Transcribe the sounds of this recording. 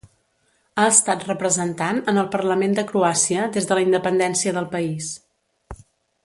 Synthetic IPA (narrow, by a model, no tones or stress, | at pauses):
aəst̪at̪rəpɾəzənt̪anənəlˠpərləmend̪əkɾuasiəðezðələind̪əpənd̪ɛnsiəðəlˠpəis